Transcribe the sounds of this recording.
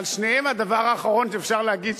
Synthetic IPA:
lʃnejemad̪avaʁaːχaʁonʃeːfʃaʁleaɡid̪

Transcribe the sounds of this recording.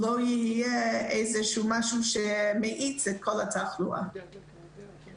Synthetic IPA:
lojihijɛeɪzɛʃumaʃuʃɛmeʔit͡sɛt̚kʰolˠatʰaχlṵʔa̰

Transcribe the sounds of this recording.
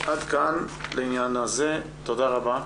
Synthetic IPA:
ʔad̪kanleinjanaze̞ | t̪od̪aʁaba

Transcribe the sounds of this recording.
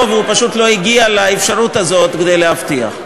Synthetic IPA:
veupaʃut̪lo̞iɡialaefʃaɾut̪azo̞t̪ked̪e̞jlehaft̪ia̰χ

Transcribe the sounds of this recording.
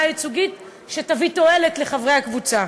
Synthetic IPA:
ajit͡suɡit | ʃetavito̞e̞letle̞χavʁejakvut͡sa

